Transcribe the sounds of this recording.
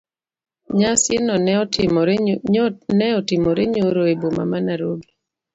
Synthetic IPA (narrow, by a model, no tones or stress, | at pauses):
ɲasɪnɔɪmɔ | nɛɔtɪmɔɾeɲoɾoeboma̰manaɾoɡi